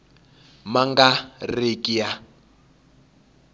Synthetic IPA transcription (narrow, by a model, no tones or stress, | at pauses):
maŋɡarekʼija